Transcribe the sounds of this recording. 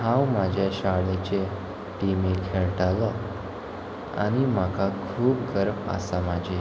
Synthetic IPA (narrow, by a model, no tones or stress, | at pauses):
hãwmad͡ʑʱjaɕaɭet͡ɕe | ʈimekʰeɭʈalɔ | a̰ɽ̃im̤akʰakʰuːp̚ɡəɾmə̰samad͡ʑʱe